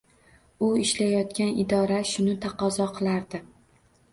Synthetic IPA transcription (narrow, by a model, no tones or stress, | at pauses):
ʊɪʃlajɒt̪kʲanɪd̪ɒɾaʃʊnɪt̪ʰɑqɒzɒqʰɨlˠaɾd̪ɪ